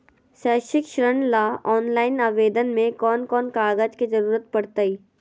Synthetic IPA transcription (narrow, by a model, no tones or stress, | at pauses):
ʃəːʃɪkʃɾəɳlaːɔːnlaːɪnaːʋeːd̪ənmẽkɔːnkɔːnkaːɡəd͡ʒkizɐɾuːɾət̪̚pɐɽt̪aiː